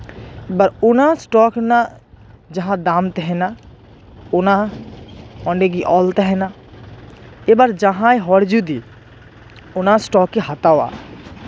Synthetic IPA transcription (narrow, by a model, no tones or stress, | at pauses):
bɐɾʊnãsʈɔːkna | d͡ʒɐɦãd̪aːmt̪eɦɛna | ʊnã | ɔ̃ːɳɖeɡiʔɔːlt̪eɦɛna | ebaɾd͡ʒəɦãeɦɔːɾd͡ʒud̪i | ʊnãsʈɔːkːeɦɐt̪awa̰ː